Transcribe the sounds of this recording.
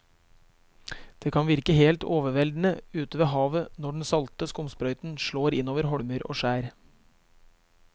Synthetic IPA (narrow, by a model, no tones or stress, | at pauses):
d̪̥eːkʰɑnʋɪɾkəheːlt̪oːʋəʋɛld̪n̩əʉːt̪əʋeːɦɑːʋənɔɖɳ̩sɑlt̪əskʊmspɾœʏt̪n̩ʃɭoːɾɪnoːʋəɾɦɔɽmœɾo̰ːʃæːɾ